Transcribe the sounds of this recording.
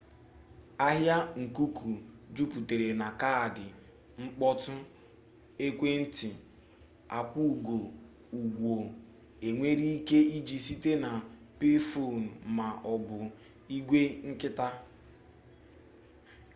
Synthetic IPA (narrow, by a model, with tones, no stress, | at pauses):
a˦ɦja˦ŋ̩˨ku˦ku˨d͡ʒu˦pu˨te˨ɾe˨na˨ka˦˨dɪ˨ | ŋ͡m̩˦k͡pɔ˦tʊ˦ | e˦kʷe˦n̩˦tɪ˨ | a˨kʷu˦u˨ɡo˨ | u˨ɡʷo˨ | e˨ŋʷe˦ɾi˦i˦ke˦i˦d͡ʒi˨si˦te˦na˨ | pi˦fo˦˨n̩˨ma˨ʔɔ˨bʊ˨ | i˦ɡʷe˦ŋ̩˦kɪ˦ta˦